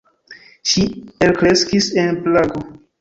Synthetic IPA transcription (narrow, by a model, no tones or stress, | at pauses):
ʃielkɾe̞skisenplaɡo